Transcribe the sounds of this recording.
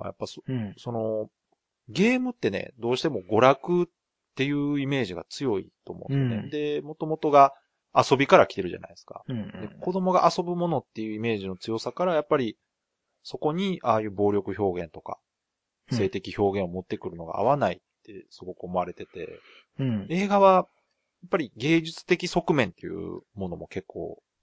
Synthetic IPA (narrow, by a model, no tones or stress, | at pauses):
a̰ja̰pːasoso̞no̞ | ɡe̞ːmɯ̟t̪ːe̞ne̞̰d̪o̞ːɕi̥t̪e̞mo̞ɡo̞ɾakɯ̟t | t̪ːe̞jɯ̟ːime̞ːʑiɡa̰t͡sɨjo̞ḭt̪o̞ːmõ̰ːnsejoned̪e̞mo̞t̪o̞mo̞t̪o̞ɡaː | so̞bʲikaɾakʲi̥t̪e̞ɾɯ̟ʑa̰na̰isɨ̥ka̰d̪eko̞d̪o̞mo̞ɡaʔaso̞bɯ̟mo̞no̞t̪ːe̞jɯ̟ːime̞ːʑino̞t͡sɨjo̞sakaɾajapːaɾʲi | so̞ko̞ɲ̟iʔaːjɯ̟ːbo̞ːɾʲo̞kɯ̟ço̞ːɡẽ̞nt̪o̞ka̰ | se̞ːt̪e̞kʲiço̞ːɡẽo̞mo̞t̪ːe̞kɯ̟ɾɯ̟no̞ɡa̰a̰β̞anait̪ːe̞sɨɡo̞kɯ̟o̞mo̞aɾe̞t̪e̞t̪e̞̰ | e̞ːɡaβa | japːaɾʲiɡe̞ːʑɨt͡sɨ̥t̪e̞kʲiso̞kɯ̟mẽ̞nt̪ːe̞̰jɯ̟̰ːmo̞no̞mo̞ke̞kːo̞̰ː